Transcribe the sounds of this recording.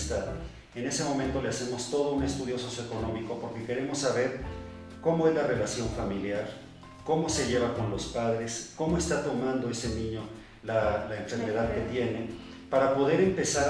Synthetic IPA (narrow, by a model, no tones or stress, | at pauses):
st̪að | ene̞se̞mo̞mẽ̞nt̪o̞le̞ase̞mo̞st̪o̞ð̞o̞une̞st̪uðjo̞so̞sjoeko̞nõ̞miko̞po̞ɾke̞ke̞ɾe̞mo̞sːaβe̞ɾ | ko̞mo̞e̞zlare̞lasjo̞ɱfamiljaɾ | ko̞mo̞se̞ʝe̞βako̞nlo̞spaðɾe̞sko̞mo̞e̞st̪at̪o̞mãnd̪o̞e̞se̞nĩɲo̞ | lalaeɱfe̞ɾme̞ðaðke̞t̪je̞ne̞ | paɾapo̞ðe̞ɾe̞mpe̞sa